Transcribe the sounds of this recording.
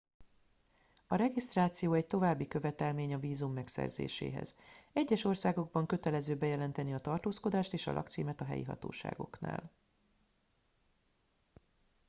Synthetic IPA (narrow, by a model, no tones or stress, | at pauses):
ɒɾɛɡist̪raːt̪sijoːɛc̚t̪o̞vaːbːikø̞vɛt̪ɛlmeːɲɒviːzumːɛksɛ̰rzḛːʃḛːɦɛ̰zɛɟːɛʃo̞rsaːɡo̞ɡ̚bɒŋkø̞t̪ɛlɛzøːbɛjɛlɛnt̪ɛniɒt̪ɒrt̪oːsko̞d̪aːʃt̪eːʃɒ̰lʔɒ̰kt̪sḭːmɛt̪ɒɦɛ̰jḭɦɒ̰t̪o̰ːʃa̰ːɡo̞̰kna̰ːl